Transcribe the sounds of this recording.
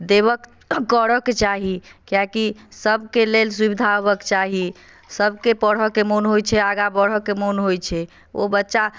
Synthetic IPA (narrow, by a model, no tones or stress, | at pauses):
d̪ebək | kəɾəket͡ʃaɦikijakisəb̚ʱkelelsubid̪ʱaɦobəkt͡ʃaɦi | səbʱkepəɽ̤ɔkemonɦojt͡ʃʰɛaɡabəɽ̤ɔkemonɦojt͡ʃʰɛ | o̰bətːʃa